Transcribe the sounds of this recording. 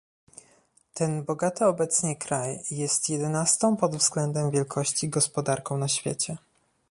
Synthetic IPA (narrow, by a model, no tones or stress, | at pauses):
t̪ɛnbɔɡat̪ɘɔbɛt̪sɲɛkɾajːɛst̪jɛd̪ɛnast̪ɔ̃w̃pɔd̪vzɡlɛnd̪ɛmvʲjɛlkʰɔɕt͡ɕiɡɔspɔd̪aɾkɔ̃w̃naɕfʲjḛt͡ɕɛ